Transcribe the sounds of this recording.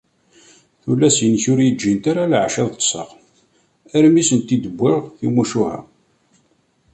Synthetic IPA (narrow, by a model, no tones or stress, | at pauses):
θulːæsjənçʊɾjəd͡ʒːint̪aɾalʕʃæðˤt̪ːˤsˤə̰q | æɾmisənt̪ːid̪əbʷːiʁθimuʃuhæ̰